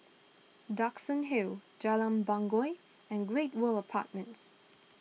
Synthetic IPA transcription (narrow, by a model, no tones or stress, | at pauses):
daksə̃nɦild͡ʒɛlə̃mbãŋɡɔɪ | ɛ̃nɡɹet̚wələpʰa̰ˑt̚mə̃nts